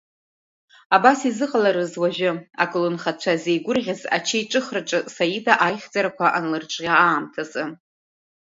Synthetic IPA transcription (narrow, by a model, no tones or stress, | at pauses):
abasizɨqʼalaɾɨzwaʒᶣɪakʼɨlɨnχat͡ɕʷʰazejɡʷʊrʁʲaza̰t͡ʃʰeiʈ͡ʂʼɨχraʈ͡ʂʼɨsajidʼaʔajχʲd͡zaɾakʷʰaʔanlɨrʈ͡ʂʷʼʁʲaaːmtʰazʼɨ